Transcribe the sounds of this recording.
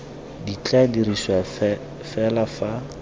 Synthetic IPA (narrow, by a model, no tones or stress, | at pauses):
dit͡ɬʼadiriswa | fɛlafa